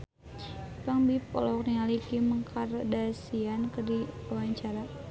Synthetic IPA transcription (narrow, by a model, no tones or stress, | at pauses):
paŋbipɔ̰lɔk̚niŋalikiməŋkʰardasiankədiawaɲt͡ʃaɾa